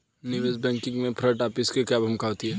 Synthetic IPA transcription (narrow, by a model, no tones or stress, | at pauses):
nɪʋeːzbɛ̃ːŋkɪ̃ŋɡmẽpʰɾəʈaːpɪskekaːbɦɐmkaːot̪iɦɛː